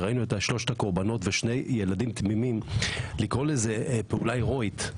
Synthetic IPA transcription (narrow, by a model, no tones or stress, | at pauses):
ʁainue̞taʃlo̞ʃtako̞ʁbano̞tveʃne̞jjeladimt̪mimimlikʁo̞lezepeulaeʁo̞it̪